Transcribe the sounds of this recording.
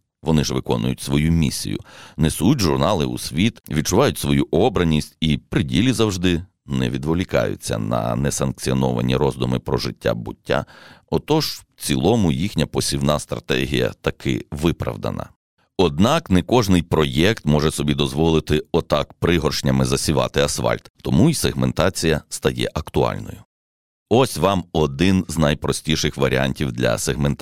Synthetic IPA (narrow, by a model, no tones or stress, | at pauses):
ʋɔnɪʒʋɪkɔnʊjʊtʲsʋɔjumʲisʲḭjʊ̰nesʊjutʲʒʊrnɑlˠɪṵsʲʋʲit̪ʋʲid̪̚t͡ʃʊʋɑjʊtʲsʋɔjuʔɔbɾɐnʲisʲtʲipɾɪdʲilʲizɐwʒd̪ɪ | nɛ̰ʋʲid̪ʋɔlʲikɑ̰jʊ̰t͡sʲːɐ̰nɐ̰nɛsɐnk̚t͡sʲiɔnɔʋɐ̰nʲiɾɔzd̪ʊmɪpɾɔʒɪtʲːa̰bʊtʲːa̰ɔt̪ɔʒ | t͡sʲilˠɔmʊjixnʲɐpɔsʲiwnɑst̪ɾɐ̰t̪ɛ̰ɦʲijɐ̰t̪ɐkʰɪ̰ʋɪpɾɐ̰ʋd̪ɐ̰nɐ̰ | ɔd̪nɑknɛkɔʒnɪjpɾɔjɛkt̪mɔʒɛsɔbʲid̪ɔzʋɔlˠɪt̪ɪɔt̪ɑkpɾɪɦɔrʃnʲɐmɪzɐsʲiʋɑ̰t̪ɪɐsʋɑ̰lʲt̪t̪ɔmuiseɦment̪ɑt͡sʲijɐst̪ɐjɛ̰ʔɐkt̪ʊɑ̰lʲnɔ̰jʊ | ɔsʲʋɑmɔd̪ɪnznɐjpɾɔsʲtʲiʃɪxʋɐɾʲianʲtʲiwd̪lʲɐ̰seɦment̪